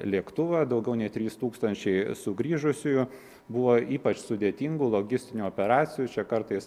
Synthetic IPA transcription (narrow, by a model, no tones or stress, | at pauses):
lʲiɛkt̪ʊʋɐd̪ɒʊɡʲɛʊnʲɛɪt̪ʲɾʲiːst̪uːkst̪ɐnʲt͡ʃʲɛɪsʊɡɾʲiːʒʊsʲʊjʊ | bʊʋoːiːpɐt͡ʃsʊd̪ʲeːt̪ʲiŋɡulˠoːɡʲɪsʲt̪ʲɪnʲuɔːpʲɛɾɑːt̪sʲɪjut͡ʃʲɛkɐɾt̪ɐɪs